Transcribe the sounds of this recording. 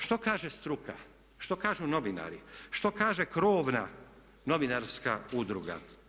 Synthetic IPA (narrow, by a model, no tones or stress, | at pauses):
ʃt̪o̞kaːʒest̪ɾukʰa̰ | ʃt̪o̞kaːʒuno̞ʋina̰ːɾiʃt̪o̞kaːʒekɾoːʋna | no̞ʋinaɾskaud̪ɾuɡa̰